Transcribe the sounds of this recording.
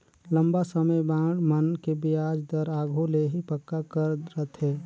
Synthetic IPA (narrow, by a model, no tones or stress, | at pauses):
lə̃mbasəməjbãːɽmənkebiaːd͡ʒd̪əɾaːɡʱoleɦipəkːakəɾɾət̪ɦɛː